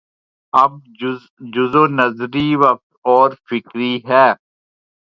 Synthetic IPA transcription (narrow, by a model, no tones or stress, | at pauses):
ɐb̚ | d͡ʒʊzõːnəzɾiʋɐq̚t̪ɔːɾfɪkɾiɦɛː